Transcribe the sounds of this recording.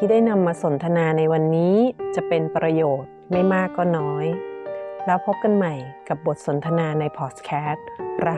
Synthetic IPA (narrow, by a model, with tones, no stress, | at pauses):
iː˥daː˥˩jna˧mːaː˧so˩˦nt̪ʰa˧naː˧na˧jwa˧nːiː˦˥t͡ɕa˨˩ʔpe˧npɾa˧joː˨˩t̪̚ma˥˩jmaː˥˩kːɔː˥˩nɔː˦˥j | lɛː˦˥wpʰo˦˥p̚ka˧nma˨˩jka˨˩p̚bo˨˩t̪̚so˩˦nt̪ʰa˧naː˧na˧jpʰɔː˨˩s̚kʰɛː˦˥t̪̚ɾa˦˥